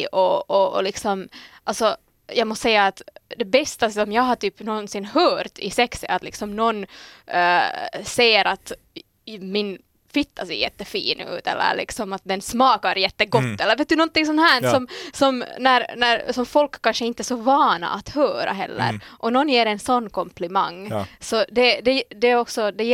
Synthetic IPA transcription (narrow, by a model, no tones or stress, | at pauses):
ʔɔ̰ːlɪksɔmʔalsɔ | jɑːɡmɔst̪sɛjːaːt̪d̪ɛbɛst̪asɔmjɑːɡɦaʈ̪yːpnɔnsɪnɦœːɾt̪ɪ̰sɛksɛ̰at̪lɪ̰ksɔmnɔnː | seːəɾʔat̪ | mɪn | fɪt̪ʰːasɛjɛt̪ːəfḭːnʉ̰ːt̪ɛ̰lːə̰ɾɭʔɪ̰ksɔmat̪̚d̪ɛnsːmɑːkaɾjɛt̪ːəɡɔt̪ːɛlːəɾveːt̪̚d̪ʉnɔnt̪ɪŋsɔnhæːsɔmsɔmnæɾnæɾsɔmfɔlkːanʂəɪnt̪ːəsɔvɑːna̰ʔːt̪høːɾa̰ɦɛ̰lːə̰ɾʔɔnɔnːjeːɾɛnsɔnːkʰɔmpʰlɪma̰ŋːsɔd̪ɛd̪ɛd̪ɛæɾɔksɔd̪ɛ